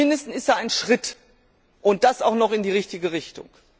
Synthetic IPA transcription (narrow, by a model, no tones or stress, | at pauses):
ɪndəstn̩sɪstd̥aːaɪnʃʁ̥ɪt | ʔʊnt̚d̥asaʊxnɔχɪndiːʁɪçtɪɡəʁɪçtʊ̰ŋ